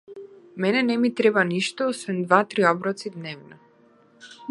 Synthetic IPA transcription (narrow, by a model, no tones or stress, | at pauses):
mɛnɛnɛmit̪ɾɛbaniʃt̪ɔɔsvɛnd̪vat̪ɾiɔbɾɔt̪sid̪nɛvnɔ